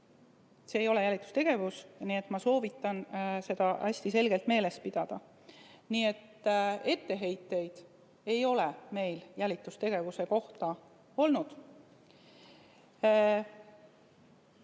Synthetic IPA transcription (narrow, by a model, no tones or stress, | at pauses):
se̞ːjo̞le̞jælʲit̪ːˑu̥st̪e̞ɡ̥e̞vusniet̪ˑmɑso̞ːvit̪ːˑɑnse̞d̪̥ɑʔæsʲt̪ise̞lɡ̥e̞lt̪me̞ːle̞s̚pid̪̥ɑd̪̥ɑ | nie̞t̪ːe̞t̪ːe̞ɦe̞jt̪ːˑe̞jd̪̥ | e̞jo̞leme̞jljælʲit̪ːˑust̪e̞ɡ̥e̞vuse̞ko̞ht̪ɑ | o̞lnud̪̥